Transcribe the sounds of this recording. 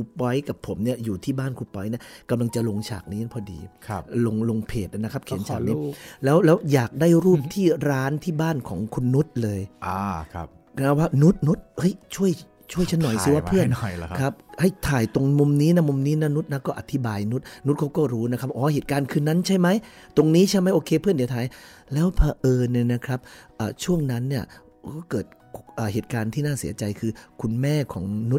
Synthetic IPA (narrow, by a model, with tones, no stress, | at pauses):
kʰu˧˩pːɔ˦˥jka˨˩pʰːo˩˦mni˥˩ɐjuː˨˩t̪ʰiː˥˩baː˥˩nkʰuː˧˩pːɔ˧˦˥jni˥˩ɐka˧mla˧ŋt͡ɕa˨˩lo˧ŋt͡ɕʰa̰ː˨˩k̚niː˦˥˩pʰɔː˧˦dḭː˧kʰlo˧ŋlo˧ŋpʰeː˨˩t̪̚ʔa˧˩na˦˥kʰa˦˥p̚kʰi˦nt͡ɕʰaː˨˧˩niː˦˥lɛː˦˥wlɛː˦˥wjaː˨˩k̚daː˥˩jɾuː˥˩p̚t̪ʰiː˥˩ɾaː˦˥nt̪ʰiː˥˩baː˥˩nkʰɔ̰ː˩˦ŋkʰu˧nːu˦˥t̪̚lɤː˧jʔaː˧˦˧p̚ | na˦˥waː˥˩nu˦˥t̪̚nu˦˥t̪̚hɤ˦˥˩jt͡ɕʰu˥˩əj | t͡ɕʰu˥˩əjt͡ɕʰnːɔ˨˩jsiː˨˦waː˥˩ɯ˥˩ən˨˩jkʰa˦˥p̚ha˥˩jt̪ʰaː˨˩jt̪o˧ŋmo˧mniː˦˥na˦˥˩mo˧mniː˦˥na˦˥nu˦˥t̪̚na˦˥kɔː˥˩ʔa˧˩t̪ʰi˦˥baː˧jnu˦˥t̪̚nu˦˥t̪̚kʰa˦˥wkɔː˥˩ɾuː˦˥na˦˥kʰa˦˥˩p̚ʔɔː˨˦heː˨˩t̪̚kaː˧nkʰɯː˧na˦˥nt͡ɕʰa˥˩jma˦˥j | t̪o˧ŋniː˦˥t͡ɕʰa˥˩jma˦˥jʔoː˧kʰeː˧pʰɯ˥˩ndi˨˦t̪ʰaː˨˩jlɛː˦˥wpʰaː˧ʔɤː˧ni˧˩na˦˥kʰɾa˦˥p̚ʔəː˨˩t͡ɕʰu˥˩əŋna˦˥nːi˥˩ɐ | kɔː˥˩kɤː˨˩t̪̚ | ʔəː˨˩heː˨˩t̪̚kaː˧nt̪ʰiː˥˩naː˥˩sḭː˨˩˦ɐt͡ɕa˧jkʰɯː˧kʰu˧nmɛː˥˩kʰɔː˩˦ŋnu˦˥t̪̚